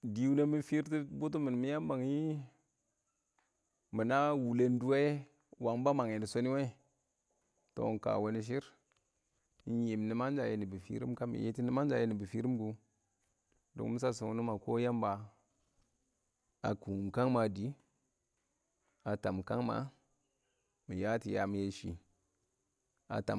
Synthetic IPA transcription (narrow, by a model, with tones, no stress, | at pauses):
di˨wu˦ne˦mi˦fi˦ɾti˦bu˦t̬u˦mi˨n˨mi˦ja˦mba˨ŋi˦ | mi˨na˦wu˨le˦n˦du˦wa˦e˦ | wa˨ŋ˦ba˦ma˨ŋ˨e˨ni˨so˦ni˦we˦˨ | to̰˨ka̰˨wo˨˦ni˦ʃ̬i˦ɾ | e˨m˨ni˨ma˦n˦d͡ʒa˨je˨˦ni˨bi˨fḭ˦ɾḭ˦mka˦mḭ˨jḛ˦ti˦ni˦ma˦nd͡ʒa˨je˨˦ni˨bi˨fi˦ɾi˦mɡu˨ | do̰˨ŋ˦mi˦s̬a˦s̬u˨u˦nu˦ma˨ko˦ja˦mba˨ | a˨ku˨mka˦ŋma˨di˨˦ | a˨ta˨mka˦ŋma̰˨ | mi˨ja˦ti˨ja˨mi˨je˨ʃḭ˨ | a̰˨ta̰˨